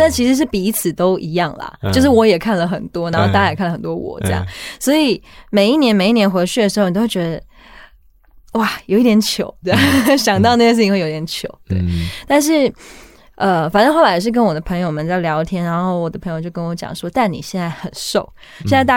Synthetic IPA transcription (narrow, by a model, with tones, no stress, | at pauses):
na˥˩t͡ɕʰi˧˥ʂɻ̩˧˥ʂ̬ɻ̩˥˩pi˨˩˧t͡sʰɹ̩˨˩t̪o˥ʊʔi˧˥jɑ˥˩ŋlɐ̰˩t͡ɕo˥˧ʊʂ̬ɻ̩˥˩wɔ˧˥jɛ˨˩kʰa˥˩nlə˩xə˨˩nt̪wɔ˥na˧˥nxo˥˧t̪a˥˧˥a˥˩˨kʰa˥˩lə˩xə˨˩t̪wɔ˥wɔ̰˨˩˦ʈ͡ʂe˥˧jɑ̰˨˩ŋswɔ˧˥i˨˩me˨˩ɪi˥˩njɛ˧˥nme˨˩ɪi˥˩njɛ˧nxwe˧˥t͡ɕʰy˥˩d̪ə˩ʂɻ̩˧˥˩o˥wɥʲd̪ə˧ | wa˥˩jo˨˩ʊi˥˩t̪jɛ˧˥nt͡ɕʰjo˧˥˦ʊt̪we˥˩ɕjɑ˨˩ŋt̪ɑ˥˧ʊna˥˩ɡə˧s̬ɹ̩ʰ˥˩i˧ŋwe˥˧˩o˧˩˥i˥t̪jʲɛ˧˦nt͡ɕʰjo˧˥ʊt̪we˥˩ɪt̪a˥˧nʂ̬ɻ̩˥˩ | ə˧fa˨nə˥ŋxo˥˩la˥jɛ˨˩ʂɻ̩˥˩k̬ə˥nwɔ˨˩d̪ə˦pʰə˧˥ŋjo˨˩ʊmə˨˦nt͡sa˥˩ɪljɑ˧˥ʊt̪ʰjɛ˥nɻa˧˥nxo˥˩ʊwɔ˨˩d̪ə˦pʰɤ˧˥ŋjʊt͡ɕjo˥˩ʊkə˥nwɔ˧˥t͡ɕjɑ̰˨˩ŋʂwɔ˥t̪a˥˩nnḭ˨˩ɕjɛ˥˧nt͡sa˥˩ɪxə˨˩nʂo˥˩ʊ | ɕjɛ˥˧nt͡sa˥˧t̪a˥˩